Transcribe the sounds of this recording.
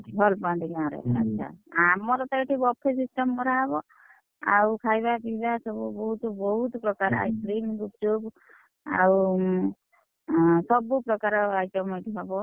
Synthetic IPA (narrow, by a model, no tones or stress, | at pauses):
ɦɔlpãd̪iɡãɾḛə̰tːʃʰa̰amɔɾɔt̪ɔeʈibɔpʰːesisʈɔmkɔɾaɦɔbɔ | a̰wkʰajbapibasɔbubɔɦut̪bɔɦut̪pɾɔkaɾa̰jskɾimɡup̚d͡ʒub | a̰w | sɔbupɾɔkaɾɔajʈɔmeʈiɦɔbɔ